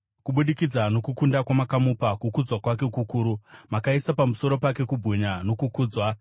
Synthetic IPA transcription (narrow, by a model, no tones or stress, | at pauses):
kuɓuɗikid͡zano̞kukundakwamakamupakukud͡zwakwak̬e̞kukuːɾumakaisapamuso̞ɾo̞pake̞kubʱuɲano̞kukuːd͡zwa